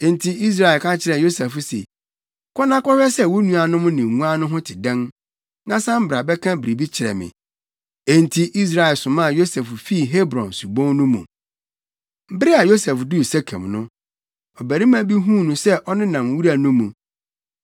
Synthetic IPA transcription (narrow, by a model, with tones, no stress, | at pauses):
ẽ˨n˨tʰi˨i˦s̬ɾa˨ɛ˨lkʰã˦t͡ɕʰɪ˦ɾɛ˨jo˦sɛ˨fʊ˦sḛ˨ | kʰɔ˦nã˦kɔ˦hᶣɛ˦sɛ˦˨wo˦nũ˦a˨nʊ̃˦m̃˦nɪ̃˨ŋũ˦a˦nʊ̃˦ɦʊ̃˦tʰɪ˨dɛ̃˦n | nã˦sã˦m̩˦bɾa˨bɛ˦kʰã˦bɪ˨ɾi˨bi˦t͡ɕʰɪ˨ɾɛ̰˨mɪ̰̃˨ | e˨n˨tʰi˨ʔi˦s̬ɾa˨ɛ˨sʊ̃˨mã˦˨jo˦sɛ˨ffi˦˨ɦe˦bɾɔ̃˨nsu˨bɔ̃˦ŋnʊ̃˦mṵ̃˨ | m̩˦bɪ˦ɾɪ˦a˨jo˦sɛ˨fdu˦i˨sɛ˦kʰɛ̰̃˨mnʊ̃˦ | ɔ˨bæ˨ɾi˦mã˦bi˦ɦũ˦nũ˨sɛ˦ʔɔ˦nɪ̃˦nã˨m˨wu˦ɾa˨nʊ̃˦mũ˨